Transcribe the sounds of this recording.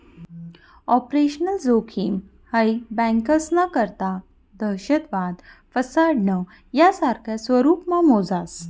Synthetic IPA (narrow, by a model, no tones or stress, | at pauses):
ɔpɾeɕənəld͡zokʰim | həjbɛ̃ŋkəsnakəɾt̪a | d̪əɕəd̪ʋad̪fəsaɽɳə | jasaɾkʰjasʋəɾuːpmamod͡zas